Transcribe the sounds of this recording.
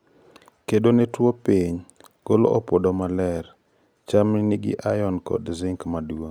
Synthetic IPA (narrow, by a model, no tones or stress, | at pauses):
kedonetwopiɲ | ɡ̥olo̰ʔopodomalɛɾ | t͡ʃaminiɡɪ̰ʔajɔnkɔ̰dzɪŋkmadwoŋ